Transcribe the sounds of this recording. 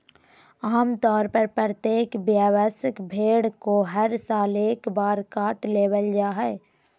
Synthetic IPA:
aːmt̪ɔːɾpəɾpəɾət̪eːkbjaːʋəsəkbʱeːɽkoɦəɾsaːleːkbaːɾkaːʈleːwəld͡ʒaːɦɛ

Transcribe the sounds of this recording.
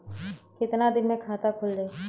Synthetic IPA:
kɪt̪nad̪ɪnmẽkʰaːt̪akʰʊld̪eː

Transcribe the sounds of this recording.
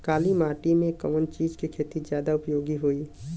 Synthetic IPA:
kaːlimaːʈimẽkəmənt͡ʃiːd͡ʒkekʰeːt̪id͡ʒjaːd̪aʊpjoːɡiɦoi

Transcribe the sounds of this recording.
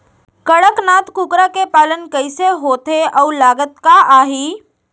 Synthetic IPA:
kəɽəknaːt̪kʊkɾakepaːlənkɐɪseɦoːt̪eɔːlaːɡət̪̚kaaːɦiː

